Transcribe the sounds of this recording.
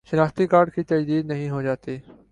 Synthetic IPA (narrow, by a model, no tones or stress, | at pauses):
ʃɪnaːxt̪ikaːɾɖkʰiːt̪ɐd͡ʒd̪iːd̪nəɦĩɦod͡ʒaːt̪iː